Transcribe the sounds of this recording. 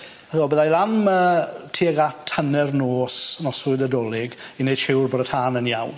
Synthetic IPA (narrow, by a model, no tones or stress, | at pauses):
aðɔbəðajlˠaməːtʰiːɡatʰənɛrnoːsnɔsʊɨdədoːlˠɪɡinejd̥ʃɪwrboːdətʰaːnənjawn